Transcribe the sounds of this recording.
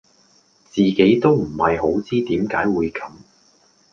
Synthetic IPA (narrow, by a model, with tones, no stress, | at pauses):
t͡siː˨ke˨˥jt̪o˥wm̩˨˩hɐ˨jho˨˥wt͡siː˥t̪iː˨˥mkaː˨˥jwuː˨˧jkʰɐ˨˥m